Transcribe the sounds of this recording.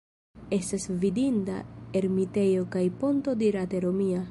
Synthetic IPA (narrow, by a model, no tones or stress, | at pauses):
e̞stasvidinda̰eɾmite̞jo̞kajpo̞nto̞deɾateɾomia